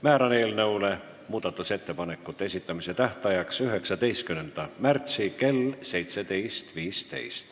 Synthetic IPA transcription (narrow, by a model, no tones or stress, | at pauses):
mæːɾɑneːlnɤwle̞ | muːd̪̥ɑt̪ːˑuse̞t̪ːe̞pɑne̞kːˑut̪ːˑees̬it̪ːˑɑmise̞t̪æht̪ɑjɑksyɦe̞ksɑd̪e̞jst̪kymnend̪̥ɑmært̪sike̞lːse̞jt̪se̞d̪e̞jst̪viːst̪e̞̰jst̪